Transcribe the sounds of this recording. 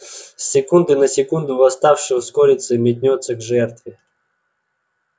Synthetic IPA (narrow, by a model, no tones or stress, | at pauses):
sʲːɪkund̪ɨnɐsʲɪkund̪ʊvɐst̪afʂɨʊskɔɾʲɪt̪sɨmʲɪt̪ʲnʲɔt̪səɡʐɛrt̪vʲɪ